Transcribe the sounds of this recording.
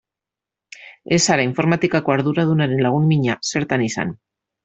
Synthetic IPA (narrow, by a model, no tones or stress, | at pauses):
esaɾaiɱfoɾmat̪ikakwaɾðuɾaðunaɾenlaɣ̞unmiɲaseɾt̪anisa̰n